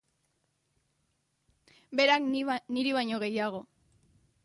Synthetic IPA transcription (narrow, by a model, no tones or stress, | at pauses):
be̞ɾakniɾiβaɲo̞ɣe̞jaɣ̞o̞